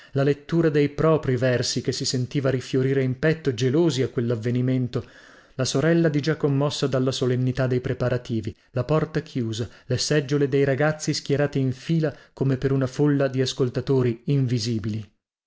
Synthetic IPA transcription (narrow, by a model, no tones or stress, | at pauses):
lalet̪ːuːɾad̪ejpɾɔːpɾivɛrsikesːisent̪iːvaɾifjoɾiːɾeimpɛt̪ːod͡ʒeloːziakːwelːavːeniment̪o | lasoɾɛlːad̪id͡ʒakːomːɔsːad̪alːasolenːit̪ad̪ːejpɾepaɾat̪iːvi | lapɔrt̪akʰjuːzalesɛd͡ʒːoled̪ejɾaɡat̪sːisk̟jɛɾaːt̪iːɱfiːlakomepeɾunafolːad̪iaskolt̪at̪oːɾiːɱviziːbili